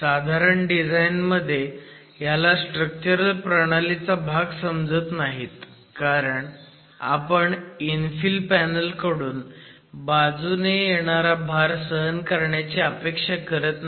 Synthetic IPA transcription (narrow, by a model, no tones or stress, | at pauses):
sad̪ʱaɾəɳɖid͡zainməd̪ʱːje | jalasʈɾək̚t͡ɕəɾəlpɾəɽ̃alit͡sabʱaɡsəmd͡zət̪naɦit̪ | kaɾəɳ | a̰pəɳinfilpænəlkəɽuːn | bad͡zunejeɽ̃aɾabʱaɾsəɦənkəɾɳjat͡ɕeəpekʂakəɾət̪na